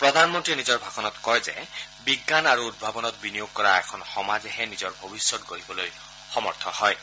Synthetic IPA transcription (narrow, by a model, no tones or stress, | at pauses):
pɹɔd̪ʱanmɔntɹinizɔɹbʱakɔnɔtkɔɹzɛ̰biɡːanaɹuud̚bʱabɔnɔt̚binijoɡ̚kɔɹaɛkʰɔnxɔmazɛɦɛnizɔɹbʱobisːɔtɡoɹibɔloj | xɔmɔɹt̪ʰɔhɔj